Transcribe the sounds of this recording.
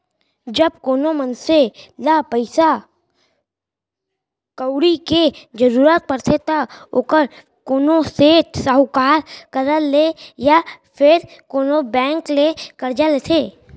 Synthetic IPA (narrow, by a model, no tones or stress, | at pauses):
d͡ʒəb̚koːnomənselapəɪsa | kəwɽiked͡ʒəɾuːɾaːt̪̚pəɾt̪ʰet̪aokəɾ | koːnoseːʈsəɦʊkaːɾkəɾəlejapʰɪɾkoːnobɛ̃ːŋklekəɾd͡ʒalet̪ʰeː